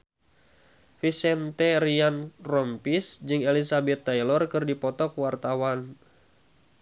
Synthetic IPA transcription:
fisɛnt̪ɛɾianrɔmpisd͡ʒɨŋelisabɛt̪ːajlɔrkɨrdipɔt̪ɔkwart̪awan

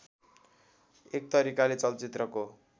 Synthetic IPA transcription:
ek̚t̪ʌɾikalet͡sʌlt͡sit̪rʌko

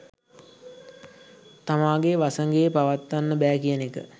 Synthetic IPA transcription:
t̪amaːɡeʋasəŋɡejːpaʋat̪ːanːəbɛːkijənekə̰

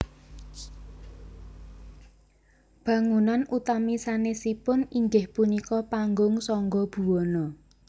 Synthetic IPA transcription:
b̥ä̤ŋunanʔut̪amisanesipʊniŋɡɪhpunikɔpaŋɡʊŋsɔŋɡɔb̥ṳwɔnɔ

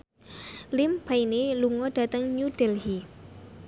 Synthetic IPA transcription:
lɪmb̥aineluŋɔd̥a̤t̪əŋɲud̥ɛlhi

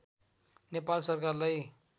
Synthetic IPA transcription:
nepalsʌrkarlaj

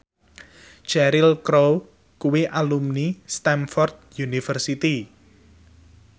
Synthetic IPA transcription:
d͡ʒ̥ɛɾilkɾow | kuwiʔalumnist̪anfɔrd̪̚junifərsit̪i

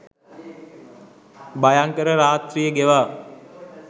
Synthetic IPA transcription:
bajaŋkəɾəɾaːt̪rijəɡeʋaː

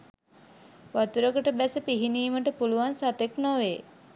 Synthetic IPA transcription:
ʋat̪uɾəkəʈəbæsəpiɦiniːməʈəpuluʋansat̪eknoʋe

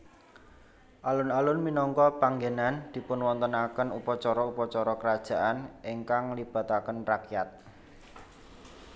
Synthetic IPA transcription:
ʔalʊnalʊnminɔŋkɔpaŋɡenand̪̥i̤pʊnwɔnt̪ənakənupɔt͡ʃɔɾɔupɔt͡ʃɔɾɔkəɾad̥ʒ̥a̤ʔanʔiŋkaŋlib̥ä̤t̪akənrakjat̪̚

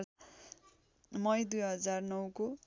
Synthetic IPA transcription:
mʌjd̪ujɦʌd͡zarnʌwko

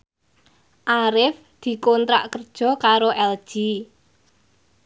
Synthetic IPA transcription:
ʔaɾɪf | d̪̥i̤kɔnt̪ɾa̰ʔkərd̥ʒ̥ɔ̤kaɾoʔɛld̥ʒ̥i

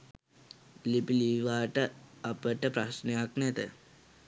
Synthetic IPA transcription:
lipiliʋaːʈəɐpəʈəpɾɐʃnejaknɛt̪ə̰

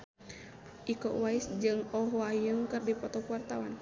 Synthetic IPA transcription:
ʔikɔ̰ʔwaisd͡ʒɨŋɔɦɔajɨŋkɨrdipɔt̪ɔkuwart̪awan

